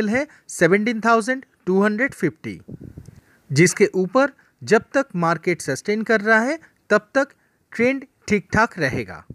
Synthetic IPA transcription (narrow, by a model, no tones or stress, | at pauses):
lɦɛ | seʋə̃ɳʈiːnt̪ʰaʊzə̃ɳɖʈuːɦɐ̃ɳɖɾəɖpʰɪpʈḭ | d͡ʒɪskeʔuːpəɾ | d͡ʒɐb̚t̪əkmaːɾkeːʈsɐsʈeːnkɐɾːɐɦaɦɛ | t̪ɐb̚t̪ək | ʈɾẽːɳɖ | ʈʰiːk̚ʈʰaːkɾɐɦḛːɡa̰ː